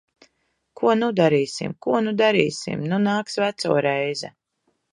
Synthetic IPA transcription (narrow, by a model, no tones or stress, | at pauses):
kʰuɔnud̪aɾiːsḭmkuɔnud̪aɾḭːsḭmnunaːksvæt̪sɔ̰ːɾɛjzɛ